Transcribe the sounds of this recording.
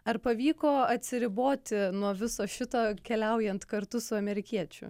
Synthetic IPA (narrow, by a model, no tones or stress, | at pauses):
ɐrpɐʋʲiːkoːɐt̪ʲsʲɪɾʲɪboːt̪ʲɪnuɔʋʲɪsoːʃʲɪt̪oːkʲɛlʲɛʊjɛnt̪kɐɾt̪ʊsʊɐmʲɛɾʲɪkʲiɛt͡ʃʲʊ̰